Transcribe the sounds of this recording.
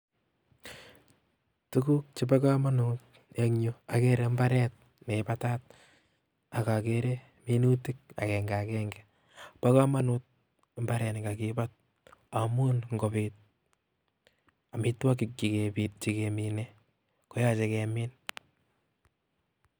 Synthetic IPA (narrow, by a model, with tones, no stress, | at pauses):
tu˦ku˦k̚t͡ʃi˦pa˦ka˦ma˦nut̚ | eŋɲua˨keɾe˨mba˦ɾɛ˦t̚ | ne˨pa˦ta˦t̚ | a˨ka˨keɾe | minu˦ti˦k̚a̰˨kɛ˨ŋɡa˨kɛ˦ŋɡɛ | pa˦ka˦ma˦nut̚ | mba˦ɾɛ˨n˨ka˨kipat̚ | a˨mu˦nŋɡo˨pɪt̚ | a˨mi˦twa˦ki˨kikepi˨t͡ʃi˨ke˨mi˨ne | ko˦ja˦t͡ʃe˦kɛ˨mɪn